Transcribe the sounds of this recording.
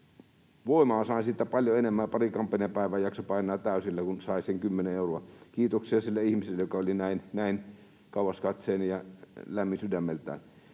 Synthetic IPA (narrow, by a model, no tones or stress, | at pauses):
ʋoˑimɑɑsɑˑinsit̪ːæpɑlʲjoenemːæːpɑrikɑmpɑnepæˑiʋæːjjɑksopɑˑinˑɑːt̪æˑysilːækunsɑˑiseŋkymːeneeˑuroɑkiːt̪oksiɑsilːæihmiselːæjokɑolinæˑinnæˑin | kɑˑuʋɑskɑt̪seːnjɑlæmːisydæmːelt̪æ̰ːn